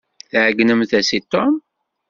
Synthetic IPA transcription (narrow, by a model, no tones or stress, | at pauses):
θʕəɡnəmθæsit̪ːom